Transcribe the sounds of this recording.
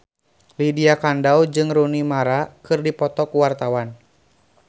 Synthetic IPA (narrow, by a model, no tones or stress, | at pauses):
lidiakandawd͡ʒɨŋɾunimaɾakɨrdipɔt̪ɔkuwart̪awan